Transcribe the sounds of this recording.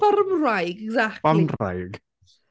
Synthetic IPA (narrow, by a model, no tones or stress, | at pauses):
ɔrmrajɡɛɡzakanra̰jɡ